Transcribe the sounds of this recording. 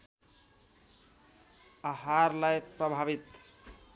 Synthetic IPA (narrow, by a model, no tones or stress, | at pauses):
aɦaɾlajpɾʌbʱaβit̪